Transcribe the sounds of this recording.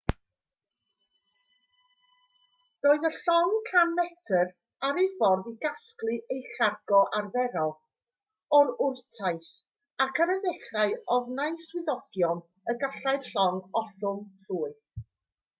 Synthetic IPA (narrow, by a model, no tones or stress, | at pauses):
roːɨðəɬɔŋkʰanmɛtʰər | aɾejfɔrdiɡasklɨʔejɬarɡɔʔarvɛɾɔlˠ | ɔɾʊrtʰajθ | akʰaɾəðɛχraɨɔvnaɨswɪðɔɡ̥jɔn | əɡaɬaɨd̥ɬɔŋɔɬʊmɬuːɨθ